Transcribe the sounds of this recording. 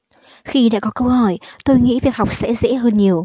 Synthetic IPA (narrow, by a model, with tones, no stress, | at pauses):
xi˧ɗa̰ː˧˥kɔ˨˦kə˧whɔ˧˨˩jt̪o˧jŋḭ˧˥vi˨˩ək̚ha˨˩k͡p̚sɛ̰˧˥zɛ̰˧˥ɦəː˧nɲi˨˩əw